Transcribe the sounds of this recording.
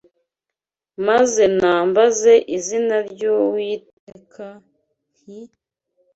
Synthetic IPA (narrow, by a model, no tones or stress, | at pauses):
maze̞naːmbaze̞ʔizinaɾɟowiːt | ekʰa | hi